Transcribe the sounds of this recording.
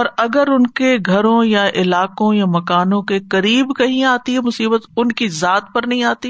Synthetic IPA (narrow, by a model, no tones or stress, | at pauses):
ɔːɾɐɡəɾʊnkeɡʱɐɾõjaʔɪlaːkõjamɐkaːnõkekɐɾiːbkɐɦĩaːt̪iɦɛmʊsiːbət̪ʊnkizaːt̪̚pɐɾnɐɦĩaːt̪i